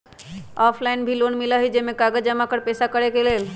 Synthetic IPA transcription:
ɔpʰlaɪnbʱilonmiləɦid͡ʒemekaɡəd͡ʒəmakəɾpesakəɾekelel

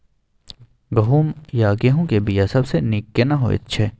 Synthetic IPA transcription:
ɡɐɦuːmjaːɡeɦũkebʱijasɐbsenɪkːenaɦo̰ɪ̰t̪t͡ʃʰeː

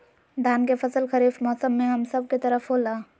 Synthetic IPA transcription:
d̪aːnkefɐsəlxɐɾiːfmɔːsəmːẽɦɐmsɐb̚ket̪ɐɾəfɦoːlaː

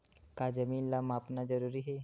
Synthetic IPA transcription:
kaːd͡ʒəmiːnlamapnad͡ʒəɐɾuːɾiːɦe

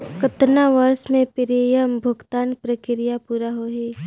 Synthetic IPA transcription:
kət̪naʋəɾsmẽpɪɾijəmbʱʊɡt̪aːnpɾəkɪɾɪjapuːɾaɦoːɦe

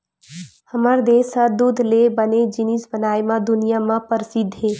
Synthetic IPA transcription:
həmaɾd̪eːsad̪ud̪ʱlebəned͡ʒɪnisbənaːemãd̪ʊnijamãpəɾsɪd̪ʱɦeː

